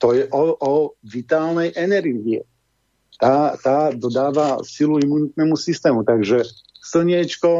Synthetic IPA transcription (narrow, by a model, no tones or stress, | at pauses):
t̪ɔjɛʔɔɔʋit̪aːlnɛjʔɛnɛɾɡiɛ̰ | t̪aːt̪aːd̪ɔd̪aːʋasiluimunit̪̚nɛːmusist̪ɛːmut̪aɡʒɛ | sl̩ɲɛt͡ʃkɔ